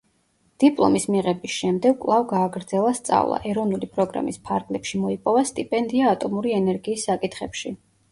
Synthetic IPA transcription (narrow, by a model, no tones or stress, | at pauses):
d̪̥ipʼlˠɔ̰mismiʁɛbisʃɛmd̪ɛɡ̚kʼlˠavɡaːɡɾd̪zɛlˠast̪sʼa̰vlˠa̰ʔɛɾɔvnulipʼɾɔɡɾa̰mispʰaɾɡlɛpʃimɔipʼɔvast̪ʼipʼɛnd̪iaːt̪ʼɔmuɾiɛnɛɾɡiːsːakʼit̪ʰχɛpʃi